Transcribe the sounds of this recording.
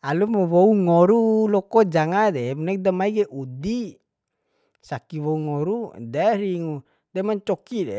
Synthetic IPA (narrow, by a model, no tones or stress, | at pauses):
alumɔwɔuŋɔɾulɔkɔd͡ʒaŋadɛmunɛk̚damaiɡɛʔudi | sakiwɔuŋɔɾudɛɾiŋu | dɛmaɲt͡ʃɔkidɛ